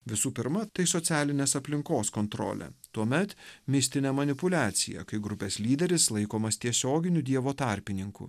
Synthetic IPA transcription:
ʋʲɪsuːpʲɪɾmɐt̪ɐɪsɔt̪sʲæːlʲɪnʲeːsɐpʲlʲɪŋkoːskoːnt̪ɾo̰ːlʲɛ̰t̪uɔmʲɛt̪mʲɪsʲt̪ʲɪnʲɛmɐnʲɪpʊlʲæːt̪sʲɪjɛ̰kɐɪɡɾʊpʲeːslʲiːd̪ʲɛɾʲɪslˠɐɪkoːmɐst̪ʲiɛsʲoːɡʲɪnʲʊd̪ʲiɛʋoːt̪ɑɾʲpʲɪnʲɪŋkʊ̰

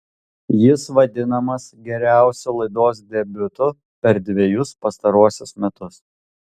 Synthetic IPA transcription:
jɪsʋɐd̪ʲɪnɐmɐsɡʲɛɾʲæˑʊsʲʊlˠɐɪd̪oːs̬d̪ʲɛbʲʊt̪ʊ | pʲɛɾd̪ʲʋʲejʊspɐst̪ɐɾuɔsʲʊsmʲɛt̪ʊs

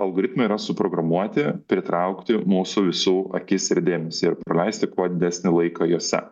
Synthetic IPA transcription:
ɐlˠɡoːɾʲɪt̪mɐiːɾɐsʊpɾoːɡɾɐmuɔt̪ʲɪpʲɾʲɪt̪ɾɐʊkt̪ʲɪmuːsʊʋʲɪsuːɐ̰kʲɪsɪɾd̪ʲeːmʲɛsʲiɪɾpɾɐlʲɛɪsʲt̪ʲɪkuɔd̪ʲɪd̪ʲæsʲnʲɪlˠɐɪkɐjuɔsʲɛ̰

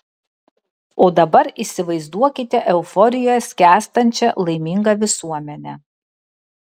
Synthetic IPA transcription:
oːd̪ɐbɐɾiˑsʲɪʋɐɪzd̪uɔkʲɪt̪ʲɛʔɛʊfɔɾʲɪjojɛsʲkʲæːst̪ɐnʲt͡ʃʲɛlˠɐɪmʲiŋɡɐʋʲɪsuɔmʲɛnʲɛ

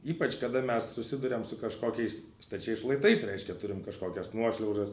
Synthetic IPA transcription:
iːpɐt͡ʃkɐd̪ɐmʲɛssʊsʲɪd̪ʊɾʲɛmsʊkɐʃkoːkʲɛɪs | st̪ɐt͡ʃʲɛɪsʃlˠɐɪt̪ɐɪsɾʲɛɪʃʲkʲɛt̪ʊɾʲɪmkɐʃkoːkʲɛsnuɔʃʲlʲɛʊʒɐs

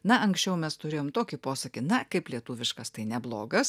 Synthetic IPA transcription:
nɐɐŋksʲt͡ʃʲɛʊmʲɛst̪ʊɾʲeːjoːmt̪oːkʲiːpoːsɐkʲɪt̪nɐkɐɪplʲiɛt̪uːʋʲɪʃkɐst̪ɐɪnʲɛblˠoːɡɐs

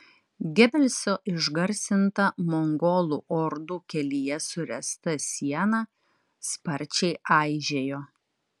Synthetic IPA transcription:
ɡʲɛbʲɛlʲsʲoːʔɪʒɡɐɾʲsʲɪnt̪ɐmɔŋɡoːlˠuʔɔɾd̪ukʲɛlʲijɛsʊɾʲɛst̪ɐsʲiɛnɑː | spɐɾʲˑt͡ʃʲɛɪʔɑˑɪʒʲeːjoː

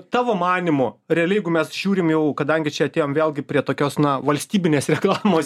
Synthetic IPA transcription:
t̪ɑːʋoːmɑːnʲɪmʊɾʲɛɐlʲɛjɛɡʊmʲɛsʒʲuːɾʲɪmjɛʊkɐd̪ɐŋʲɡʲɪt͡ʃʲɛɐt̪ʲeːjoːmʋʲeːlˠɡʲɪpʲɾʲiɛt̪oːkʲoːsnɐʋɐlʲsʲt̪ʲiːbʲɪnʲeːsɾʲɛklˠɑːmoːs

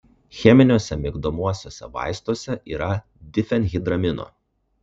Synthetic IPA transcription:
xʲɛmʲɪnʲoːsʲɛmʲɪɡd̪omuɔsʲoːsʲɛ̰ʋɑ̰ˑɪst̪oːsʲɛʔiːɾɐ | d̪ʲɪfʲɛnɣʲɪd̪ɾɐmʲɪno̰ː

